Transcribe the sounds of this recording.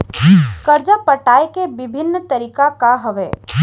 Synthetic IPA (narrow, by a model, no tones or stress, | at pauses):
kəɾd͡ʒapəʈaːjkebɪbʱɪnːt̪əɾiːkakaɦəʋe